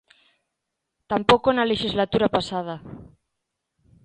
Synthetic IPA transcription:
t̪ampokonaleʃizlat̪uɾapasað̞a

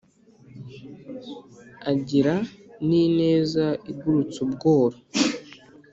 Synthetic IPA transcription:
aɟiɾanine̞ːzaiɡuɾut͡subɡo̞ːɾa

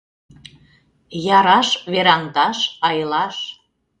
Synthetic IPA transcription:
jɑɾɑʃβeɾɑŋt̪ɑʃɑjlɑʃ

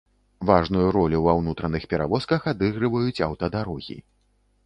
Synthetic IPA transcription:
vaʐnujuɾɔlʲiwawnut̪ɾɐnɨxpʲɛɾa̰vɔskɐxad̪ɨɣɾɨvɐjut͡sʲɐ̰wt̪ɐd̪aɾɔɣʲḭ

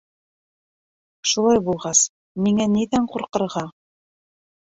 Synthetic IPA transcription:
ʃulˠɑjbulˠʁɑs | miŋæniðæɴqŭɾqɤ̆ɾʁɑ

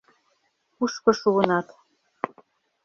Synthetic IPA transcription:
uʃkŏʃuɤ̆nɑt̪

